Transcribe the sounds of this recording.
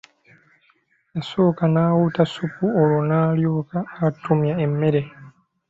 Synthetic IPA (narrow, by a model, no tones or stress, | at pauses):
jasoːkanaːwutasupuolonaːljoːkaːtumjaemːe̞ɾe